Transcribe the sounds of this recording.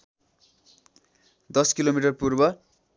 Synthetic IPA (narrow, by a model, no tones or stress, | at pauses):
d̪ʌskilomiʈʌrpurbʌ